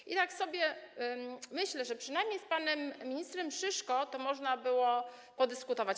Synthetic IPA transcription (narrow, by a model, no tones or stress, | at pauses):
ʔit̪aksɔbʲjɛ | mɘɕlɛʐɛpʂɘnajmɲejspanɛmːʲiɲist̪ɾɛmʂɘʂkɔt̪ɔmɔʐnabɘwɔ | pɔd̪ɘskut̪ɔvat͡ɕ